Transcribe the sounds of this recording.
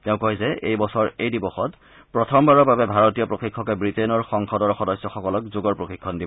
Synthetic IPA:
tɛʊ̃koɦjzɛejbɔsɔɹejdibɔxɔt | pɹɔtʰɔmbaɹɔbabɛbʱaɹotijɔpɹoxikʰːɔkɛbɹitenɔɹxɔŋxɔdɔɹxɔdɔjsːɔxɔkɔlɔkzoɡɔɹpɹoxikʰːɔndibɔ

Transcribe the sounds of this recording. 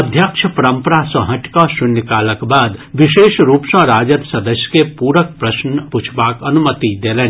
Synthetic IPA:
ɐd̪ʱjakʃʰəpɐɾə̃mpəɾasɔ̃ɦɐ̃ʈkaʃʊnəkaːləkbaːd̪ʋɪʃeːʃɾuːpʃãɾaːd͡ʒəd̪sɐd̪əʃjkepuːɾək̚pɾɐʃnput͡ʃʰbaːkɐnʊmət̪id̪eːleː

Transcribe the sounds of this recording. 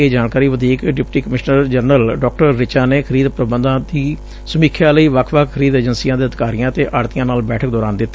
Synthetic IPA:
eːd͡ʒaːɳkaːɾiːʋəd̪ʱiːkɖɪpʈiːkəmɪʃnəɾd͡ʒəɾnəlɖɔːk̚ʈəɾːɪt͡ʃaːneːkʰəɾiːd̪pɾəbənd̪ãːd̪iː | səmiːkʰjaːləiːʋəkʰʋəkʰkʰːəɾiːd̪əːd͡ʒənsiːãːd̪eːəd̪ɪkaːɾijãːt̪eːʔaːɾt̪ɪijãːnaːlbɛːʈʰək̚d̪ɔːɾaːnd̪ɪt̪ː

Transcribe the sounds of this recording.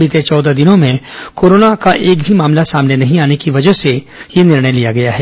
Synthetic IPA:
bɪt̪et͡ʃɔːd̪ad̪ɪnõmẽkoːɾoːnakaʔeːkbʱimaːmlasaːmnenɐɦĩaːnekiʋɐd͡ʒəɦse | jenɪɾɳəjlijaɡɐjaɦɛː

